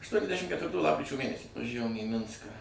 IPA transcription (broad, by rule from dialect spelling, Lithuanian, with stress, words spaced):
ɐʃtuɔnʲɛzʲˈdʲæʃʲɪm kʲɛtʲʋʲɪrˈtuː ˈlˠɑːpkrʲɪt͡ʃʲoː ˈmʲeːnʲɛsʲiː ʋɐˈʒʲæʋoːm iː ˈmʲɪnskɑː